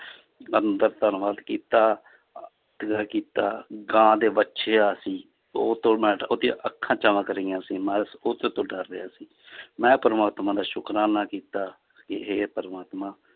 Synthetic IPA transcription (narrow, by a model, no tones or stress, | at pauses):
ənd̪əɾt̪aːnʋaːt̪kiːt̪aː | t̪ɡaːkiːt̪aːɡãːd̪eːbətːʃʰeːaːsiː | oːt̪õːmɛ̃ːoːt̪iʔəkʰːãːt͡ʃaːmãːkəɾeːãːsĩːmɛ̃ːsot̪õːt̪õːɖəɾːeaːsiː | mɛ̃ːpəɾəmaːt̪mãːd̪aːʃʊkɾaːnaːkiːt̪aː | kɪɦeːpəɾəmaːt̪mãː